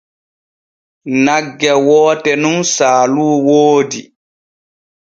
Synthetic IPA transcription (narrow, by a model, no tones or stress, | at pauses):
naɡːɛwɔːtɛnunsaːluːwoːdi